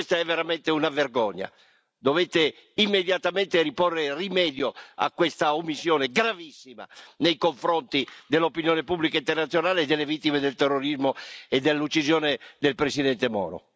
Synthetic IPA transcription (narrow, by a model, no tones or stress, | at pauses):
st̪aɛvːeɾamɛnt̪eunaverɡɔɲːa̰ | d̪ovet̪e | imːed̪jat̪amɛnt̪eɾiporːerimɛːd̪joa̰kːwest̪aomːisːjɔːneɡɾavisːima̰nejkoɱfɾɔnt̪id̪elːopinjɔːnepublikaint̪ɛrnat̪sjonaːleːd̪ːɛlːevit̪ːimed̪elt̪ɛrːoɾizmoed̪elːut͡ʃːizjɔːned̪elpɾesid̪ɛnt̪emɔ̰ːɾo̰